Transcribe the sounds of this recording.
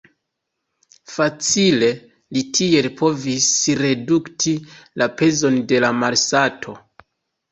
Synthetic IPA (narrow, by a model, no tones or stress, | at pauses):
fat͡sile̞ | litʰie̞lpʰo̞visɾe̞duktʰilʔape̞zo̞nde̞lamalsatʰo̞